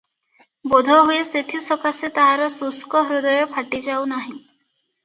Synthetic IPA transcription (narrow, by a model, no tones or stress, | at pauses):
bod̪ʱɔɦueset̪ʰisɔkaset̪aɦaɾɔsuskɔɦɾud̪ɔjɔpʰaʈid͡ʒawnaɦĩ